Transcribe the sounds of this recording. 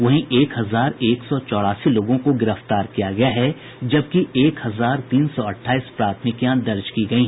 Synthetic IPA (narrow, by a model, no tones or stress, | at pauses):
ʋɐɦĩʔeːkhɐzaːɾeːksɔt͡ʃɔːɽaːsiloːɡõkoɡɪɾəft̪aːɾkijaɡɐjaɦɛ | d͡ʒɐb̚kieːkhɐzaːɾt̪iːnsɔɐʈʰːaːispɾaːt̪ʰmɪkjãd̪ɐɾd͡ʒkiɡɐiɦɛ̃